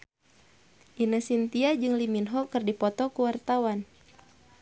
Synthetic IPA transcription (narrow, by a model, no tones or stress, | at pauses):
ʔinəsint̪iad͡ʒɨŋliminɦɔkɨrdipɔt̪ɔkuwart̪awan